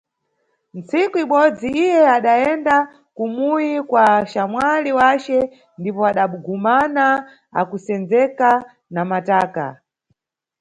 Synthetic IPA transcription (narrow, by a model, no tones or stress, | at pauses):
nt͡sikuiɓɔd͡ziijɛaɗaɛnda | kumujikwaʃamwaliwat͡ʃɛ | ndipɔaɗaɓuɡumana | a̰kusɛnd͡zɛka | namataːka̰